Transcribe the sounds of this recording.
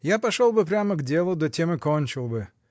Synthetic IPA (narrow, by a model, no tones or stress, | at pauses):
japɐʂolˠbɨpɾʲaməɡdʲe̞lˠʊd̪otʲemɨkonʲt͡ɕɪlˠbɨ